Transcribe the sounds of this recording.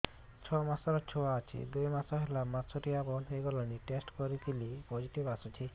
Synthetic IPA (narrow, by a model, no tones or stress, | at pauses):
t͡ʃʰɔmasɔɾɔt͡ʃʰoaːt͡ʃʰḭd̪ujmasɔɦelamasɔʈiabɔleɡɔlɔniʈesʈkɔɾit̪ʰilipɔd͡ʒiʈibasut͡ʃʰi